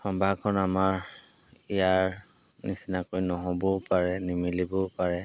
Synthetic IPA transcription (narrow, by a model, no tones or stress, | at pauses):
hɔmbʱakʰɔnamaɹ | ijaɹɹ | nisinakojnɔɦɔbɔpaɹɛnimilibɔpaɹɛ